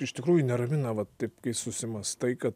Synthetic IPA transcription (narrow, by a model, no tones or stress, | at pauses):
ɪʃt̪ʲɪkɾuːjʊnʲɛɾɐmʲɪnɐʋɐt̪t̪ɐɪpkɐɪsʊsʲɪmɐst̪ɐɪkɐt̪